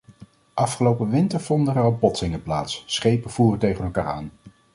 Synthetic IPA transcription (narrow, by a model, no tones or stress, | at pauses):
ʔɑfχəlowpəʋɪntəɹv̥ɔndəəɹɑlˠbɔtsɪŋəpla̰ːtssχejpəv̥uːrətejχənɛlˠka̰ːɹa̰ːn